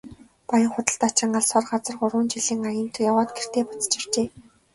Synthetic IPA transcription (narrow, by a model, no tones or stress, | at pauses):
pɔjə̆ɴχʊt̪ə̆ɬt̪at͡ɕɪ̆ŋɢaɮsɔrɢat͡sə̆rɢʊrwʊːnt͡ɕiɮiːŋajə̆n̥t̪ʰujawɔːt̪̚ɡer̥t̪eːpḁt͡st͡ɕɪ̆r̥t͡ɕeː